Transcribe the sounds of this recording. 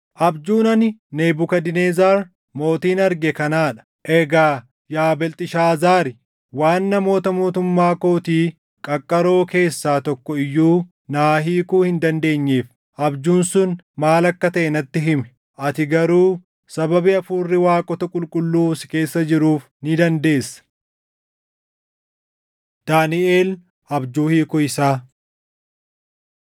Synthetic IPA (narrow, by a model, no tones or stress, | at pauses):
ʔɐbd͡ʒuːnɐnɪneːbʊkɐd̪ɪneːzaːɾ | mo̞ːt̪iːnɐɾɡɛkɐnaːᶑɐ̥ | ʔɛɡaː | jaːbɛlt̪ʼɪʃaːzaːɾɪ | waːnːɐmo̞ːt̪ɐmoːt̪ʊmːaːkoːt̪iː | kʼɐkʼːɐɾo̞ːke̞ːsːaːt̪ɔkːɔɪjːuː | naːɦiːkuːhɪnd̪ɐnd̪e̞ːɲːeːf | ʔɐbd͡ʒuːnsʊn | maːlɐkːɐt̪ɐʔɛnɐt̪ːɪɦɪmɛ̥ | ʔɐt̪ɪɡɐɾuː | sɐbɐbɪɐfuːrːɪwaːkʼɔt̪ɐkʼʊlkʼʊlːuːsɪke̞ːsːɐd͡ʒɪɾuːf | nɪd̪ɐnd̪e̞ːsːɐ̥ | d̪̥aːnɪʔe̞ːl | ʔɐbd͡ʒuːhiːkʊɪsaː